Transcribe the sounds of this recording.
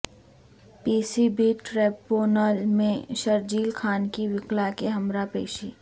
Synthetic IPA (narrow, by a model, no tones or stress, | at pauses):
piːsibiʈɾɛːpoːnəlmẽʃɐɾd͡ʒiːlkʰaːnkiʋɪklakeɦɐmɾapeːʃiː